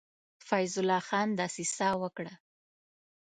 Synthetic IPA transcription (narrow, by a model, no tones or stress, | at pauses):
fajzʊlːɑxɑnd̪ɑsesɑwəkɽa